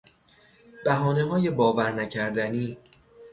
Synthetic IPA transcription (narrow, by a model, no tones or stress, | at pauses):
b̥æɦɒːneɦɒːje̞bɒːvæɾnæcʰæɾd̪æniː